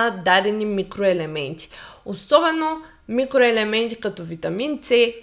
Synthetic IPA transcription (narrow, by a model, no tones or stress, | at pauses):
ɐd̪aɾenimikɾoelemẽnt͡ʃi̥ʊsobɐnu | mikɾoelemẽnt͡ʃ̪i̥kɐ̃t̪ʊvit̪ɐmĩnse